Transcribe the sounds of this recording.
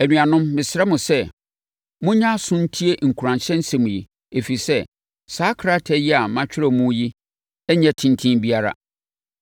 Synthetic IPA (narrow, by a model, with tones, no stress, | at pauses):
æ˨nũ˨a˨nʊ̃˦mːɪ̃˨sɪ˨ɾɛ˦mʊ̃˨sɛ˦ | mʊ̃˦ɲã˦sʊ̃˦n̩˦tʰi˦e˦ŋ̩˨kʰu˨ɾã˨nɕɛ̃˦n̩˦sɛ̃˦˨mũ˨ji˨ | e˨fi˨sɛ˦ | saː˦kʰɾa˦tʰɛ˦ji˦a˨mã˦t͡ɕᶣɪ˦ɾɛ˦˨mũ˦ji˦ | ɛ˦ɲɛ̃˦tʰĩ˦n˦tʰĩ˦nbi˦a˦ɾa̰˨